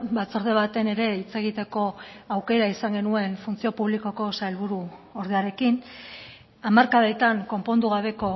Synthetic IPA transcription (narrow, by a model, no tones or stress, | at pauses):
bat͡so̞ɾðe̞βat̪e̞ne̞ɾe̞it͡se̞ɣ̞it̪e̞ko̞awke̞ɾaisaŋɡe̞nue̞nfunt͡sio̞puβ̞liko̞ko̞sajlβuɾuo̞ɾðe̞aɾe̞kin | amaɾkaðet̪aŋko̞mpo̞nd̪uɣaβ̞e̞ko̞